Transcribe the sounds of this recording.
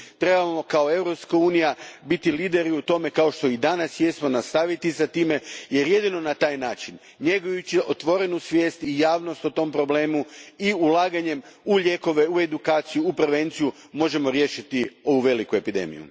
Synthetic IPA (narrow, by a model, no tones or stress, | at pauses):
t̪ɾe̞bamo̞kao̞e̞ʋɾo̞pskauːnijabit̪iliːd̪e̞ɾiut̪o̞me̞kaoʃt̪o̞id̪anasjesmonast̪aʋit̪isat̪iːme̞je̞ɾje̞d̪ino̞nat̪aːjnaːt͡ʃin | ɲe̞ɡojut͡ɕiʔo̞t̪ʋo̞ɾe̞nusʋje̞ːst̪ijaːʋno̞st̪ut̪o̞mpɾo̞ble̞ːmuiulˠaːɡaɲe̞muʎʲe̞ːko̞ʋe̞ue̞d̪ukaːt̪sijuːpɾeʋe̞nt̪siju | mo̞ʒe̞mo̞ɾje̞ːʃit̪io̞ʋuʋe̞likue̞pid̪e̞̰mḭjṵ